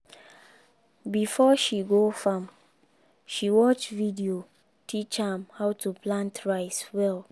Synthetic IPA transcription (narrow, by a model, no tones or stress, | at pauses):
bifɔʃiɡofãm | ʃiwɔt͡ʃvidio | tʰit͡ʃamhaʊtʰuplãntɹaɪswɛl